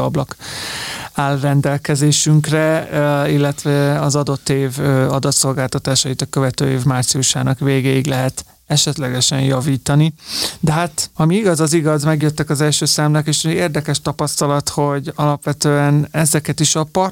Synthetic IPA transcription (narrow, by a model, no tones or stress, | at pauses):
ɒblɒk | aːlrɛnd̪ɛlkɛzeːʃyŋkrɛilːɛt̪ʋɛɒzɒd̪o̞t̪ːeːvøɒd̪ɒt̪so̞lɡaːlt̪ɒt̪aːʃɒjit̪ɒkøvɛt̪ø̰ːeːvmaːrt̪siuʃa̰ːnɒkveːɡeiɡlɛɦɛt̪ | ɛʃɛt̪lɛɡɛʃɛnjɒviːt̪ɒnid̪ɛɦaːt̪ɒmiiɡɒzɒziɡɒzmɛɡjøt̪ːɛkɒzɛlʃøːsaːmlɛkeːʃeːrd̪ɛkɛʃt̪ɒpɒst̪ɒlɒt̪ho̞ɟɒlɒpʋɛt̪øːɛnɛzɛkɛt̪iʃɒpɒr